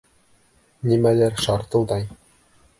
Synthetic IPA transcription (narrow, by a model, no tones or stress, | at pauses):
nimælæɾʃɑɾt̪ɤ̆lˠd̪ɑj